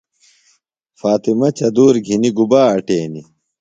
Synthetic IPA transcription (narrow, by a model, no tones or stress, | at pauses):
faːt̪imɐt͡ɕɐd̪uːɾɡʱiniɡubaːɐʈeːni